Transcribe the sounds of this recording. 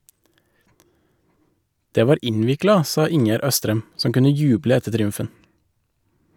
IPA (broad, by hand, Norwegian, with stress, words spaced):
ˈdeː ˈʋɑːɾ ˈɪnʋɪklɑ ˈsɑː ˈɪŋjæɾ ˈœstɾɛm ˈsɔm ˈkʉnə ˈjʉːblə ˈɛtə tɾɪˈʉmfən